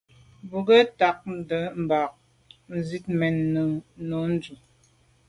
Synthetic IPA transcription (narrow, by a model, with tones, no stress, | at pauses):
bu˨ɡɛ˦ta˨k̚n̩˦də˨˦m̩˨ba˨k̚ | n̩˨zi˦t̚mɛ˨n˨nɔ˨˦n̩˦d͡ʒu˨